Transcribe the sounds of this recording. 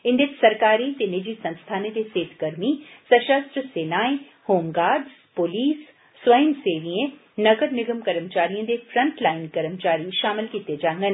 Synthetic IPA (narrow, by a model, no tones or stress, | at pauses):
ɪ̃nd̪ɪt̪sɐɾkaːɾit̪enɪd͡ʒisɐ̃nst̪ʰaːnẽd̪eseːt̪ɡəɾmisəʃəst̪ɾəseːnaːĩ | hoːmɡaːɖz | poliːs | sʋɐjəmseːʋiẽ | nɐɡəɾnɪɡəmkɐɾəmt͡ʃaːɾijõd̪efʰɾə̃ɳʈlaːɪnkɐɾəmt͡ʃaːɾiʃaːmɪlkiːt̪ed͡ʒãːŋɡen